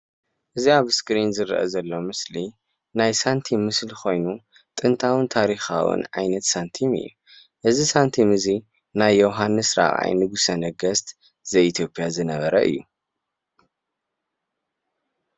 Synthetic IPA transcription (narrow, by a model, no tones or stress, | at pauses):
ʔɨziaβskʼɾinzɨɾʔɐ̰zɐlːo̞mɨsli | najsant̪ʰimːɨslixʰo̞jnu | t̪ʼɨnt̪ʰawɨnt̪ʰaɾixa̰wɨ̰nʕajnɐt̪sant̪ʰimɨ̰jːṵ | ʔɨzisant̪ʰimɨzi | najːowɦanːɨsɾa̰ʔa̰jnɨɡusɐnɐɡɐst̪ | z̥ɐjit̪ʰjo̞pʼːjazɨnɐβɐɾɐʔɨ̰jːu